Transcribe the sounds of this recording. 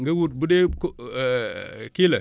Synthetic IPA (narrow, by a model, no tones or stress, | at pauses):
ŋɡɐwut̚budek | kilɐ